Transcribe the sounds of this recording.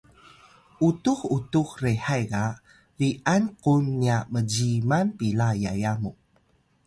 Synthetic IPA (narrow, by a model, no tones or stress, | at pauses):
ʔutuxutuxreħajɡa | viʔanqunːiaməɟimanpilajajamu